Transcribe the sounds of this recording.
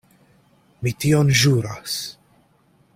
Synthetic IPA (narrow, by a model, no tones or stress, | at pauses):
mit̪iːɔnʒuːɾɐs